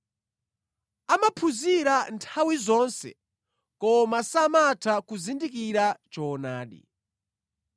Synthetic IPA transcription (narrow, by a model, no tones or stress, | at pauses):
amapʰuziɾantʰawizɔnsɛ̰ | kɔmasamatʰakuzindikiɾat͡ʃɔːnaːɗḭ